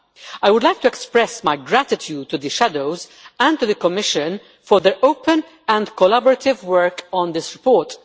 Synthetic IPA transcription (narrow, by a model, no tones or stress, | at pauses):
ajwʊd̪lajk̚t̪uɛkspɾɛsmajɡɾæt̪ɪt̪ʰjud̚t̪ːud̪əʃæd̪oʊzæ̃nt̪ud̪əkɔmɪʃə̃n | fɔɾðɛɹʔoʊpə̃n | æ̃nd̪kɔlabɔɾɐt̪ɪvwɛɹkɔ̃nd̪ɪsɾɪpɔːɹt